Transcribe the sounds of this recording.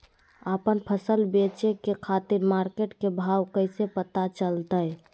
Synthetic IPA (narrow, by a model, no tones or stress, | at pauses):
əpənpʰəsəlbet͡ʃekekʰat̪iɾmaɾkeʈkebʱawkəɪsepət̪at͡ʃəlt̪əj